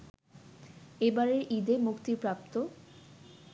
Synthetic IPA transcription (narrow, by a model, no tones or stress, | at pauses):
ebaɾeɾʔid̪emukt̪iɾpɾap̚t̪o